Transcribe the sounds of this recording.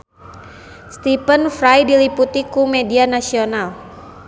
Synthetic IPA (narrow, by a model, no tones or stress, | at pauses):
st̪ipənfɾajdiliput̪ikumedianasional